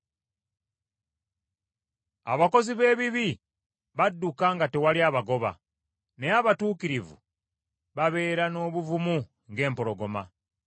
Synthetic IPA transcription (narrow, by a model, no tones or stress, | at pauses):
a̰βako̞ziβe̞ːβiβi | βadːukaŋɡate̞waliaβaɡo̞βa̰ | ne̞aβatuːkiɾivṵ | βaβe̞ːɾano̞ːβuvumu | ŋɡe̞ːmpo̞lo̞ɡo̞ma̰